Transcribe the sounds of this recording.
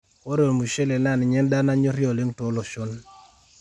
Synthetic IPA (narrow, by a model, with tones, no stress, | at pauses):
o˦ɾo˨mu˨ʃe˦le˨na˦˨nɪ˨ɲɛ˦nda˦na˦ɲo˦ɾjɔ˨le˦ŋto˨˦lɔ˨ʃo˦n